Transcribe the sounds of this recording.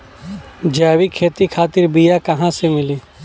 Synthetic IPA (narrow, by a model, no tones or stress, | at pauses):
d͡ʒaːʋikʰeːt̪ikʰaːt̪ɪɾbijakɐɦãsemɪliː